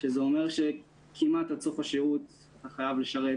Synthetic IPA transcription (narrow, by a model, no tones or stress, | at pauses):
ʃezeo̞me̞ʁʃe̞ | kʰimatat͡sofaʃeut | at̪aχajavle̞ʃaʁet